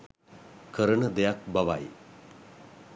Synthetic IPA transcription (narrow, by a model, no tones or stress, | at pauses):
kəɾəɳəd̪ejak̚baʋa̰j